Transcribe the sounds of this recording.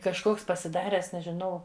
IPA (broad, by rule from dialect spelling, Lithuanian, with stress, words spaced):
kɐʃˈkoːks pɐsʲɪˈdɑːrʲæːs nʲɛʒʲɪˈnɐʊ